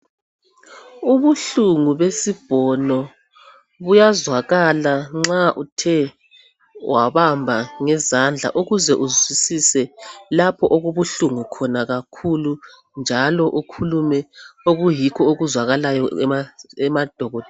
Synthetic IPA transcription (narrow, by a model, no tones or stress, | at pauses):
uβuɬuŋuβesib̥ʱɔnɔ | βujazwaɣalaŋ͡ǁaʔutʰɛ | waβambʱaŋɛzand͡ɮʱa̰ʔuɣuzɛʔuzwisisɛlapʰɔʔoɣuβuɬuŋukʰɔnaɣakʰulu | nd͡ʒʱalɔʔukʰulumɛoɣujikʰɔoɣuzwaɣalajɔɛ̰ɛmad̥ʱɔɣɔdʱɛ